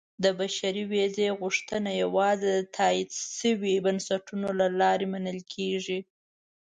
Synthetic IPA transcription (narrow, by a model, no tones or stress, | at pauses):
d̪əbaʃaɾiwezeɣuʂt̪ənajawɑzed̪ət̪ʰɑid̪ʃəwibənsaʈunolalɑɾemanəlkʰeʐi